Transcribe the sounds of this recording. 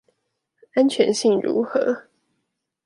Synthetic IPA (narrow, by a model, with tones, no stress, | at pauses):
a˦nt͡ɕʰɥɛ˧˥nɕi˥˨ŋɻṵ˧˥xɤ˨˧˦